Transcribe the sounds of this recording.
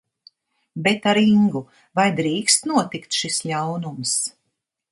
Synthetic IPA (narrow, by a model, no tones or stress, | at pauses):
bet̪aɾiŋɡu | vajd̪ɾiːkst̪nuɔt̪ikt̪ʃisʎawnums